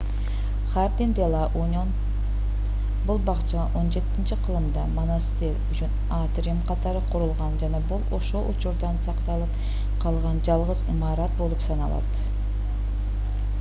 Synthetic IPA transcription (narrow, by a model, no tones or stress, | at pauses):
χaɾd̪ind̪elˠɑʔonʲon | bulˠbɑqt͡ʃɑʔo̞nd͡ʒe̞t̪ːɪnt͡ʃiqʰɯlˠɯmd̪ɑmonast̪elyt͡ʃyn | at̪ɾʲemqʰɑt̪ɑɾɯqʰuɾulˠʁɑnd͡ʒɑnɑbulˠo̞̰ʃo̞lˠʔṵt͡ʃuɾd̪ɑnsɑqt̪ɑlˠɯp | qʰɑlˠʁɑnd͡ʒɑlˠʁəzimɑɾɑt̪̚bo̞lˠupsɑnɑlˠɑ̰t̪